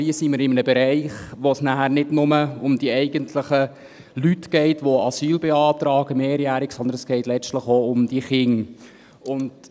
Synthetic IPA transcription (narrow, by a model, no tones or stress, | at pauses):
iəsiməɾɪmənəbɛɾɛɪχʋosnæhæɾnɪdnʊməʊmd̥iəɛɪɡəntʰləχə | lytɡ̥ɛɪtʋoɑsyːlbɛɑːt̪ɾɑːɡ̥əmeːɾjæːɾɪksɔnd̪ənɛsɡ̥ɛɪtlɛt͡stləχoʊmd̪iəχɪŋ | ʊnd